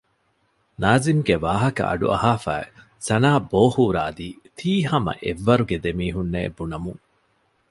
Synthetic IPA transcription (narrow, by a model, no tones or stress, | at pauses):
naːzimɡeʋaːɦɐkɐ̰ʔɐ̰ɖṵɐ̰haːfæːe | sɐnaːboːhuːɾaːd̪iː | t̪ʰiːhɐmɐ̰ʔeʋːɐɾuɡed̪emiːɦunːḛːbunɐmuŋ